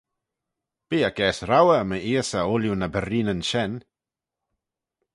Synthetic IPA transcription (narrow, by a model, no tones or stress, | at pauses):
b̥iːəkɛːsɾawəməiːəsəoljunəbəɾiːnənʃɛn